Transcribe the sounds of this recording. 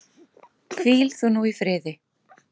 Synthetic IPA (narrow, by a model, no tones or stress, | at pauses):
kʰviːlθunuifɾɪːðɪ